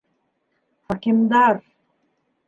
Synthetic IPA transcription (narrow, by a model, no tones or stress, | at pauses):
hakimd̪aɾ